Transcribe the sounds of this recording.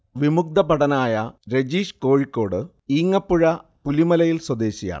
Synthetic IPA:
ʋimuk̚d̪ɐbɐɽɐnaːjɐɾe̞d͡ʑiːʂko̞ːɻikʲːo̞ːɽɨ | iːŋːɐpːuɻɐpulimɐlɐjilswɐd̪e̞ːɕija̰ːɳɨ

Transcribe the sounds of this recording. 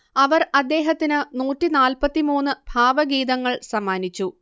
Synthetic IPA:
ɐʋɐrɐd̪ːe̞ːɦɐt̪ːinɨnuːtːinaːlpɐt̪ːimuːnːɨbʱaːʋɐɡiːd̪ɐŋːɐɭsɐmːaːnit͡ɕːu

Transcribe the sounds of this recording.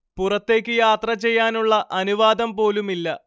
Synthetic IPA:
purɐt̪ːe̞ːkʲːɨjaːt̪rɐt͡ɕe̞jːaːnuɭːɐʔɐnuʋaːd̪ɐmpo̞ːlumilːɐ

